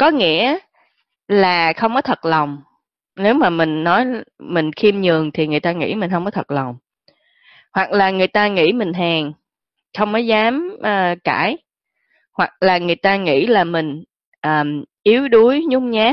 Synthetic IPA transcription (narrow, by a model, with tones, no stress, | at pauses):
kɔ˨˦ŋḭ˧˥ə | laː˨˩xə˧wŋ͡mkɔ˨˦t̪ʰə˨˩t̚lə˨˩wŋ͡m | ne˨˦wmaː˨˩mï˨˩ŋ̟nɔ˨˦jmï˨˩ŋ̟xi˧mɲɨ˨˩əŋt̪ʰi˨˩ŋɨ˨˩jt̪aː˧ŋḭ˧˥mi˨˩ŋ̟hə˧wŋ͡mkɔ˨˦t̪ʰə˨˩t̚lə˨˩wŋ͡m | hwa˨˩k̚laː˨˩ŋɨ˨˩əjt̪aː˧ŋḭ˧˥mï˨˩ŋ̟ɦaː˨˩ŋ | xə˧wŋ͡mnɔ˨˦jzaː˨˦mʔəː˨˩kaː˧˩j | hwa˨˩k̚laː˨˩ŋɨ˨˩əjt̪aː˧ŋḭ˧˥laː˨˩mï˨˩ŋ̟ | ʔəː˨˩ʔi˨˦əwɗu˨˦əjɲʊ˨˧˥ŋ͡mɲaː˨˦